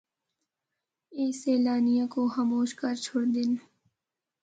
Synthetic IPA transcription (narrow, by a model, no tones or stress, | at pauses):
eːseːlaːnijãkoxamoːʃkəɾt͡ʃʰoɽd̪ɪn